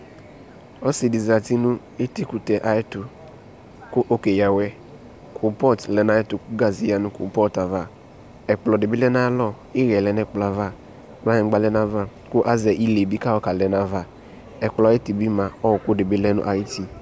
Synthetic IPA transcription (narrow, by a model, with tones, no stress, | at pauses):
ɔ˦si˨dɪ˨za˨ti˦nʊ˦ | e˦ti˦ku˨tɛ˨ʔa˨ɪ˦tʊ˨ | kʊ˦ʔo˦ke˨ja˨wɛ˦ | kʰʊ˨pɔ˦tlɛ˨na˨˦ɪ˦tʊ˨kʊ˦ɡa˨zi˨ja˦nʊ̃˦kʊ̰˨pɔ˦ta˨va˦˨ | ɛ˨k͡plɔ˨dɪ˨bɪ˦lɛ˦na˦lɔ˦˨ | ɪ˦ɣɛ˨lɛ˨˦n˦ɛ˨k͡pla˨va˦ | k͡pa˦ɲɛ˨˦ɡ͡ba˦lɛ˦na˦va˦˨ | kʊ˦ʔa˦zɛ˨ʔi˦le˨bi˦ka˦ɔ˦ka˨lɛ˨na˨va˦˨ | ɛ˨k͡plɪ˦ti˨bi˦mã˨ɔ˦wʊ˨kʊ˦dɪ˨bɪ˦lɛ˦nʊ̰˦ʔa˨ji˦ti˨